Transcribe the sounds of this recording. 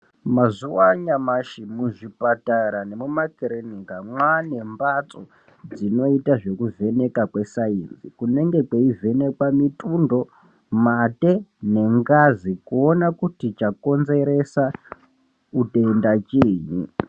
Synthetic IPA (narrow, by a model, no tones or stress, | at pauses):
mazuwaɲamaʃimuʐipataɾanemumakeɾenikamwane̞mbat͡so̞ | d͡zino̞itaʐe̞kuve̞ne̞kakwe̞sainzikune̞ŋɡe̞kweive̞ne̞kwamitʼundo̞ | mate̞ne̞ŋɡazikuonakutit͡ʃako̞nze̞ɾe̞sa | uteindat͡ʃiːɲi